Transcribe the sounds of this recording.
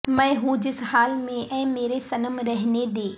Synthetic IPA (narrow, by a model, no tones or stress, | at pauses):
mɛ̃ɪ̃ɦud͡ʑɪsɦaːlmẽɛ̃ːmeːɾesɐnəmɾɐɦɪned̪eː